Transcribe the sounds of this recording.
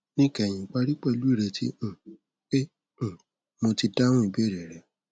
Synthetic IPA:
nĩ˦˨kɛ˨j̃ĩ˧˨k͡pa˧ɾi˦k͡pɛ˦˨lu˨˦i˦˨ɾe˧tḭ̃˦˨ | ẽ˦˨ | mo˧ti˧da˦wɔ̃˦i˧be˦˨ɾɛ˨ɾɛ˨

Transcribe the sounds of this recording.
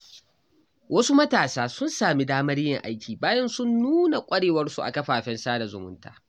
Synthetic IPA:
wɐ˦su˦mɐ˦taː˨saː˦sʊ˦nsaː˨mi˦daː˦mɐ˦ɽjɪ˨ŋʔa˦jkʲʰiː˨baː˦jɐ˦nsʊ˦nːuː˦na˨kʷʼɐ˦ɽeː˨wɐ˦rsu˨ʔa̰˨kɐ˦ɸaː˨ɸɛ˦nsaː˦da˨zʊ˨mʊ̰˦nta̰ː˦

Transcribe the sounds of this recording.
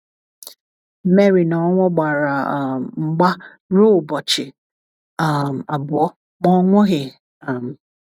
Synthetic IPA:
me˦ɾi˨nɔ˨˦ŋʷɔ˦ɡ͡ba˨ɾa˨ŋ͡m̩˦ɡ͡ba˦ | ɾo˦˨bɔ˨t͡ʃɪ˨ | a˨m˨a˨bʊ˨ɔ˦ | mɔ˦ŋʷʊ˦ɣɪ˨ | a˨m̩˨

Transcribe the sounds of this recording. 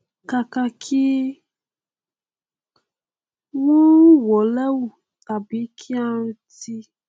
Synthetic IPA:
ka˨ka˧kʰi˦ | wo˦wɔ˨lɛ˦wu˨ | ta˨bi˨˦kʰi˦a˦n̩˦ti˦

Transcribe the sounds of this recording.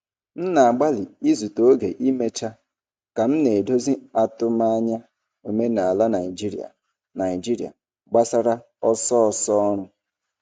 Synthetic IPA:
n̩˦na˨a˨ɡ͡ba˦li˨i˦zu˨to˦ɡe˨ʔi˦me˦t͡ʃa˦ | ka˨m̩˦ne˨do˦zi˦a˦tʊ˦ma˦a˦ɲa˦ | o˨me˦na˨a˨la˦na˨i˨d͡ʒi˦ɾḭ˨a̰˨ | na˨i˨d͡ʒi˦ɾi˨a̰˨ | ɡ͡ba˦sa˦ɾa˦ | ɔ˦sɔ˦ɔ˨sɔ˦ɔ˦ɾ̃ʊ˦

